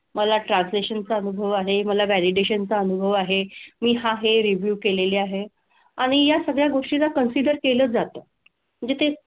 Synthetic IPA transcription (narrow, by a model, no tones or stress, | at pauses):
məlaʈɾãnsleɕənt͡saənubʱəʋaɦeməlaʋæliɖeɕənt͡saənubʱəʋaɦemiːɦaɦeɾiʋjuːkeleleaɦe | aɽ̃ijasəɡɭjaɡoʂʈilakənsiɖəɾkeləːd͡zat̪əː | məɳd͡zet̪ʰe